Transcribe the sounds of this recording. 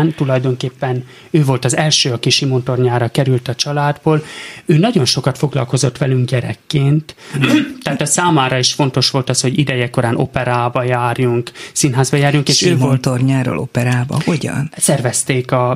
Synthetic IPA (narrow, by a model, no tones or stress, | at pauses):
nt̪ulɒjd̪o̞ŋkeːpːɛn | øːvo̞lt̪ɒzɛlʃøːɒkiʃimont̪o̞rɲaːɾɒkɛɾylt̪ɒt͡ʃɒlaːd̪boːløːnɒɟo̞nʃo̞kɒt̪fo̞ɡlɒlko̞zo̞t̪ʋɛlyŋkɟɛɾɛ̰kːeːnt̪t̪ːaɦːt̪ɒsaːmaːɾɒiʃfo̞nt̪o̞ʃʋo̞lt̪ɒsho̞ɟid̪ɛjɛko̞ɾaːnʔo̞̰pɛɾaːbɒjaːrjuŋksinɦaːzbɒjaːrjuŋkeːʃøːvolt̪orɲaːɾo̰ːlʔopɛɾaːbɒ̰ho̞ɟɒ̰nsɛrvɛst̪eːkɒ